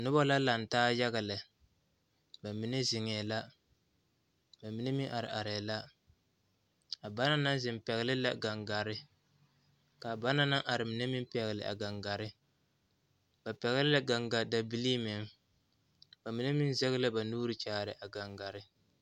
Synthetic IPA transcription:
nʊ˦ba˦la˦la˨n˨taː˦ja˦ɣa˨lɪ˨ | ba˨mi˨˦nɛ˦zɪ˨ŋɛ˨la˦ | ba˨mi˨˦ne˦mi˦ŋʔa˨ɾɪ̰˨ʔa˨ɾɛ˨la˦ | a˨ba˦na˦na˦nzɪ˨m˨pɛ˨ɣɪ˦lɪ˦la˦ɡa˨ŋɡa˨ɾɪ˦ | ka˨ba˦na˦na˦ʔa˨ɾɪ˨mi˨nɛ˦mɪ˦mpɛ˨ɣlɪ̰˨ʔa̰˨ɡa˨ŋɡa˨ɾɪ˦ | ba˨pɛ˨ɣɪ˦lɪ˦la˦ɡa˨ŋɡa˨da˨bi˦li˦mɪ˨ŋ | ba˨mi˦nɛ˦mi˦n˦zɛ˦ɣɨ˦la˦ba˨nuː˦ɾɪ˦t͡ʃaː˨˦˨ɾɪ˨ʔa˨ɡa˨ŋɡa˨ɾɪ˦

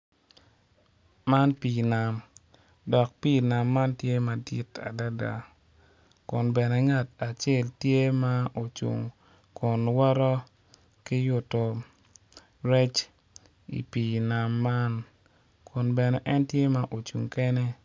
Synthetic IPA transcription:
ma˦npi˨na˨m | dɔ˨k̚pi˦˨na˨mːa˦ntje˦ma˨dḭ˦ta̰˨da˦da̰˨ | kʊ˨nbɛ˨nɛ˨ŋa˨ta˨t͡ʃe˦˨ltje˦ma˦o˨t͡ʃṵ˨ŋ | kʰʊ˨nwɔ˦ɾɔ˦ | ki˦jʊ˨to˨ | ɾɛ˦t͡ʃ | ḭ˨piː˨na˨mːa˦n | kʰʊ˨nbɛ˨nɛ˨ʔɛ˦ntje˦ma˦ʔo˨t͡ʃṵ˨ŋkɛ˦nɛ˦

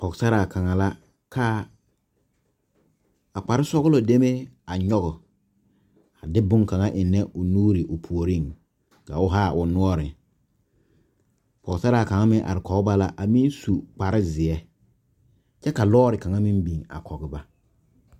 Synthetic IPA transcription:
pɔ˨ɡsa˦ɾa˨kʰa˨ŋa˨la˦ | kʰa˦ | a˨k͡pa˨ɾɪ˦sɔ˦ɣʊ˦lo˨de˦me˦a˨ɲɔ˦ɣʊ˨ | a˨dɪ˦bʊ˦ŋka˨ŋa˦ʔɪ˨nːɛ˦ʔʊ˨nuː˦ɾɪ˨ʔʊ˨pʰu˨o˨ɾi˦˨ŋ | ka˨ʊ˦ɦa˦˨ʔʊ˨nʊ˦ɔ˦ɾɪ˨ | pɔ˨ɡsa˦ɾaː˨ka˨ŋa˦mɪ̃˦ŋʔa̰˨ɾɪ˨kɔ˨ɡɪ˦ba˦la˦ʔa˨mi˦n˦su˨k͡pa˨ɾɪ˦zɪ˨ɛ˦ | t͡ʃɛ˦ka˨lɔː˦ɾɪ˨ka˨ŋa˦mi˦mbi˨ŋa̰˨kʰɔ˨ɡɪ˨ba˦

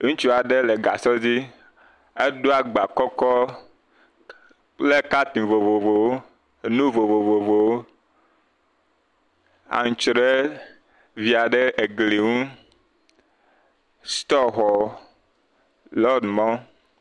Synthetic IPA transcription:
ŋũ˦t͡ʃu˦a˨ɖe˦le˨ɡa˨sɔ˦d͡ʑi˦ | e˦ɖo˦a˨ɡ͡ba˨kɔ˦kɔ˦ | le˦ka˦t̪ĩ˨vo˨vo˨vo˨wo˦˨ | nũ˦vo˨vo˨vo˨vo˨wo˦ | a̰˨ŋ̩˨t͡ʃɾe˦ | vi˨a˨ɖe˦ʔe˨ɡli˨ŋũ˦ | st̪ɔ˦ɦɔ˨ | lɔ˦dmɔ̃˦

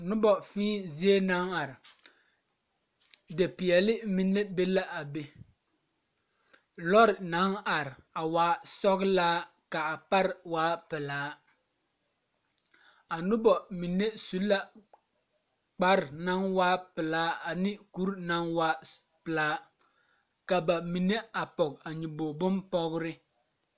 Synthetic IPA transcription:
nʊ˦bɔ˨fĩː˦zi˦e˦na˦ŋa˨ɾɪ˨ | de˨pɪ˨ɛ˨lɪ˦mi˨nːe˦be˦la˦ʔa˨be˦ | lɔ˦ɾɪ˨na˨˦ŋa˨ɾɪ˨a˨waː˨˦sɔ˦ɣlaː˦ | ka˨a˨pa˦ɾɪ˨waː˦pɪ˨laː˨˦ | a˨nʊ˦bɔ˨mi˨ne˦su˦lːa˦ | k͡pa˦ɾɪ˨na˦nwaː˦pɪ˨laː˨˦a˨nɪ˦ku˦ɾna˦ŋwaː˦ | pɨ˨laː˦ | ka˨ba˨mi˨ne˦a˨pɔ˨ka˨ɲi˨boː˨bʊ˦npɔ˦ɣɾɪ˦

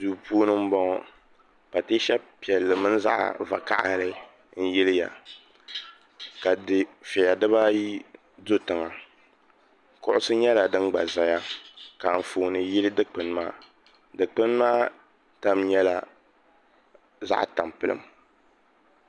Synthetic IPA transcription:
zu˨pu˦o˦nɨ˦m̩˦bɔ˦ŋɔ˨ | pa˨te˦ʃɛ˦bpi˨ɛ˨lːɨ˨mɨ˦n˦za̰˦ʔa̰˨va̰˨ka̰˨ʔa̰˦lɨ˦ | n̩˦jɪ˦lɨ˦ja̰˨ | ka˨dɪ˨fɛ˨ja˨dɨ˦βa˦ji˦ | do˦tɨ˨ŋa˨ | kʊ˨ʔʊ˨sɨ˦ɲɛ˦la˨dɨ˦nɡ͡ba̰˨za˨ja˦ka˨m̩˨foː˨nɨ˨ji˦lɨ˦dɨ˦k͡pɨ˨n˦maː˦ | dɨ˨k͡pɨ˦nmaː˦ | ta˦mɲɛ˦la˨ | za̰˦ʔta˨mpɨ˦lɨ̰˨m

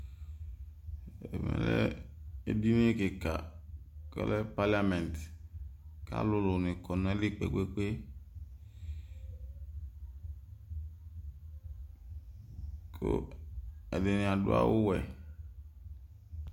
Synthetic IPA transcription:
e˨mɛ̰̃˨lɛ̰˦e˦bi˦nĩ˦ke˨ka˨ | kɛ̰˦lɛ˦pa˦li˦a˦mɛ̃˨n˨t | ka̰˦lʊ˦lo˨nɪ̃˨kɔ˨nɔ̃˨˦ɛ˦li˦k͡pḛ˨ɡe˦k͡pe˦ | kʰo̰˦ | ɛ˨de˨nĩ˨a˨dʊ˦a̰˦wu˦wɛ˨

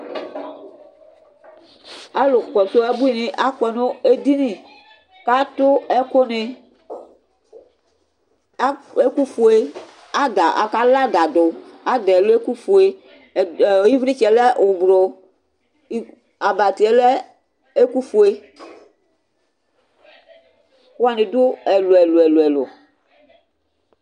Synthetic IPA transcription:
a˦lo˨kɔ˨t̪o˦ɛ˦bu˦i˨nẽ˦ʔa˦kɛ˨no˦e˦d̪i˦nĩ˨ | ka˦t̪ʊ˦ɛ˦ko˦ne˨˦ | e˦ku˦fu˨e˦ | a˦da˨ʔa˨ka˦la˦d̪a˨d̪ʊ˨a˦d̪e˨lo˦e˦ku˦fu˨e˦˨ | ji˦vɾi˦t͡ʃɛ˨le˦˨ʊ˨bɾo˨˦ | a˨ba˨t̪i˨e˦le˦ | e˦ku˦fu˦e˦ | ka˦nẽ˨d̪ʊ˦e˨lo˨ɛ˨lo˨e˨lo˨ɛ˨lo̰˨

